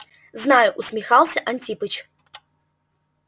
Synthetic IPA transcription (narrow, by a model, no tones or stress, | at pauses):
znajʊʔusʲmʲɪxalˠsʲɐʔanʲtʲipɨt͡ɕ